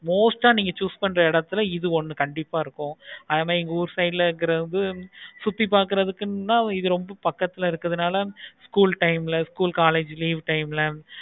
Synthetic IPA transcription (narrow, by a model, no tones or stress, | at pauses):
moːsʈaːniːŋɡɐt͡ʃuːspɐɳːɾɐɪɽɐt̪ːɯlɐɪðɯɔnːɯkɐɳɖɪpːaːɪɾɯkːʊ̃ɐðeːmaːðɪɪŋɡɐuːɾsɐɪɖɪlɐɪɾɯkːɪɾɐðɯsʊt̪ːipːaːɾkɯɾɐðɯkːɯnnːaːɪðɯɾɔmbɐpɐkːɐt̪ːɪlɐɪɾɯkːɐðɯnaːlɐskuːlʈɐɪmɪlɐskuːlkaːleːd͡ʒliːʋʈɐɪmɪlɐ